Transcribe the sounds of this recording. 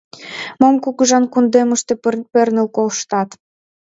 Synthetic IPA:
momkukəʒɑnkund̪eməʃt̪ĕpĕrnə̆lkolʃt̪ɑt̪

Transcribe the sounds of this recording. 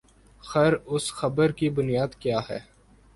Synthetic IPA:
xəɾʊsxɐbəɾkibʊnijaːd̪kjaːɦɛ̰ː

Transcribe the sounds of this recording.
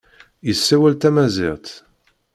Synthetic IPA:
jəsːæwælt̪æmæzɪ̰ʁt̪

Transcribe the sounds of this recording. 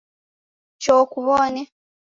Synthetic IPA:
t͡ʃoːkuβone

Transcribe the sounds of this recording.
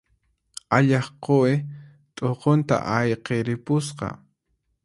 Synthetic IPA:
aʎɑχqoɪ | t̪ʼoqont̪a̰ʔajqeɾɪpʊsqɑ̰

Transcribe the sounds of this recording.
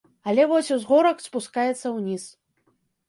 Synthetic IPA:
ɐlʲɛvɔsʲuzɣɔɾɐkspuskajɛt̪sːɐwnʲis

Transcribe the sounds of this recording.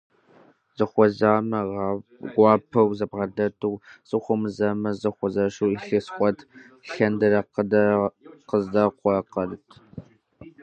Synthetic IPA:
z̥ɨχʷɔzaːmɐʁɑɡʷɑːpʰɐwzɐbʁɐdɐtʰɨwsʼɨχʷʊmɨzɐmɐzɨχʷɔzɐʂuːiɬesχʷʼɔtʰ | ɬɐndɐrɐqdɐqəzdɐqʷɔqɐrɨtʰ

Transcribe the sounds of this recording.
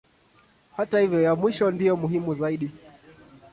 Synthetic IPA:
hatahivjɔjamwiʃɔndijɔmuɦimuzaiɗi

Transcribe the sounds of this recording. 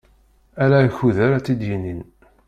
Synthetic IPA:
æɾæçuðæɾæt͡sːid̪jinin

